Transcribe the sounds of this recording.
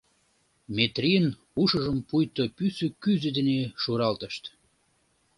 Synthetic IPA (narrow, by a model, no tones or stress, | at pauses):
mʲet̪rijən | uʃəʒəmpujt̪opysøkyzød̪eneʃuɾɑlt̪əʃt̪